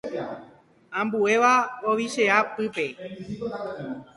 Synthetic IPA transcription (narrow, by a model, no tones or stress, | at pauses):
ãmbue̞ʋaoʋiʃe̞apɨpe̞